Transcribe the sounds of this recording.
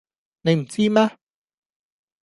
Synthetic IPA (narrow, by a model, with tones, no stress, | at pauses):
ne˨˧jm̩˨˩t͡si˧˥maː˧